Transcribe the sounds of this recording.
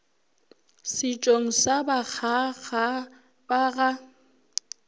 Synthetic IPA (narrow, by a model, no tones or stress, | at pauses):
sɪt͡ʃʼoŋ̩sabak͡xʰaɣa | baɣa